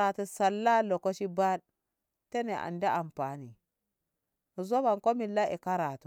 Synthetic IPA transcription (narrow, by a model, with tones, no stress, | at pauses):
a˨tu˨sa˨lːa˦lo˨ko˦ʃi˦ba˦d | te˦ne˨ʔa̰˨nde˦a˨mpa˨ni˨ | mu˨zo˦βa˨ŋko˦mi˨lːa˦ʔi˨ka˦ɾa˨tu˨